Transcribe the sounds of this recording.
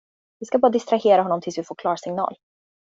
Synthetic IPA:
vɪskabɑːɾad̪ɪst̪ɾaheːɾahɔnːɔmt̪ʰɪlsvɪfoːɾkʰlɑːɾsɪŋnɑ̰ːl

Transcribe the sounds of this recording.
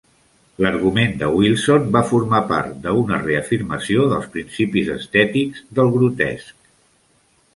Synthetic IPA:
ləɾɣumend̪əwilˠsonbafurmapa̰ɾt̪̚d̪əunəreəfiɾməsioðəlˠspɾinsipizəst̪ɛt̪iɡzd̪əlˠɣɾut̪ɛ̰sk̚

